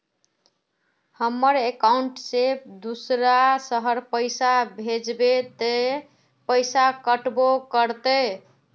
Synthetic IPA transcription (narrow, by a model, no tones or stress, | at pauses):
həmːəɾekauɳʈsed̪usɾasəɦəɾpəɪsabʱed͡ʒbet̪e | pəɪsakəʈbokəɾt̪əj